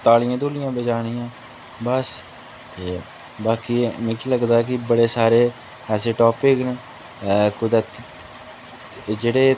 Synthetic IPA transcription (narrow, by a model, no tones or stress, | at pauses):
t̪aːlɪjãːd̪oːlɪjãːbəd͡ʒaːɽ̃ɪjãː | bəs | t̪eː | baːkiːmɛ̃ːkiːləɡd̪aːɛːk̬ɪbəɽeːsaːɾeː | ɛːseːʈoːpɪkneː | kʊd̪ət̪ | d͡ʒeːɽeː